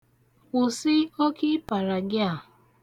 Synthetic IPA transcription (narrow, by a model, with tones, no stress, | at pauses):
ʊ˨sɪ˦o˦ki˦pa˨ɾa˨ɡɪ˦a˦˨